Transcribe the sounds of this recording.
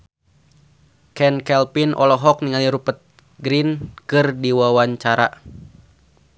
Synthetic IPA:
kɛnkɛlpinʔɔ̰lɔɦɔk̚niŋaliɾupət̪̚ | ɡɾinkɨrdiwawaɲt͡ʃaɾa̰

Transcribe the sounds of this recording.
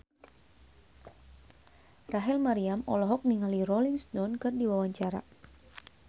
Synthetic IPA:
raɦɛlmaɾiamɔlɔɦɔk̚niŋalirɔliŋstɔnkɨrdiwawaɲt͡ʃaɾa̰

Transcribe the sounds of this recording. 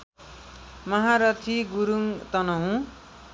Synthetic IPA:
mʌɦaɾʌt̪ʰiɡuɾuŋt̪ʌnʌɦũ

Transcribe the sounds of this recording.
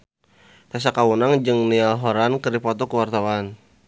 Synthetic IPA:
t̪as̬akawunaŋd͡ʒɨŋnialɦɔɾankəɾipɔt̪ɔkəwart̪awan

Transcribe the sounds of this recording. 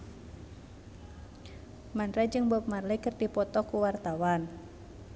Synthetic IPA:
manɾad͡ʒɨŋbɔp̚marlikɨrdipɔt̪ɔkuwart̪awan

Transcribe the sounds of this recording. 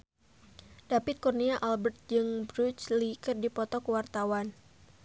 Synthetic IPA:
dapɪt̪̚kurniaʔalbərt̪̚d͡ʒɨŋbɾut͡ʃlikərdipɔt̪ɔkəwart̪awan

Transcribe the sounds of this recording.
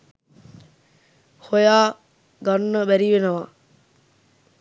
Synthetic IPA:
hojaː | ɡɐnːəbæɾiʋenɐʋaː

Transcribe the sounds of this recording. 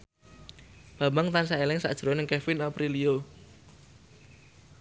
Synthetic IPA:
b̥a̤maŋt̪ansaelɪŋsa̰ʔd̥ʒ̥ɾɔnɪŋkɛfɪnɔpɾilio

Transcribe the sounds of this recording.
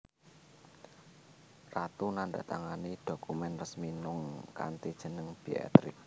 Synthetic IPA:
rat̪unanɖa̰t̪aŋanid̥o̤kumɛnrəsminʊŋka̰nt̪id̥ʒ̥ə̤nəŋb̥ia̰t̪ɾɪk̚

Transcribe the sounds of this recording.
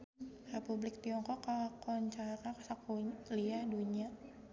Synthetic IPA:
republɪk̚t̪iɔŋkɔkakɔɲt͡ʃarakasakuliaduɲia

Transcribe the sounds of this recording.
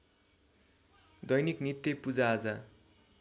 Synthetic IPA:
d̪ʌjniknit̪jepud͡zaːd͡za

